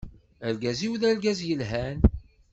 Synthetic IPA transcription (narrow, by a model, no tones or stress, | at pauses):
æɾɡæziwðæɾɡæzjəlɦæn